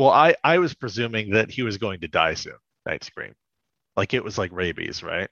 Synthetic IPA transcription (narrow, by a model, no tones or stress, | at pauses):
wɛlˠaɪʔaɪwʌz̥pʰɹ̥izʉ̃mɪ̃ŋðɨt̚hiwʌzɡoʊɪ̃ŋtɨda̰ɪsɨ̰̃nna̰ɪtskɹḭ̃m | laɪkɨʔ̚wʌzlaɪkɹeɪbḭz̥ɹa̰ɪt̚